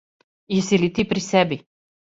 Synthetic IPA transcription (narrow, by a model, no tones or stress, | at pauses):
jɛsilit̪ipɾisɛbi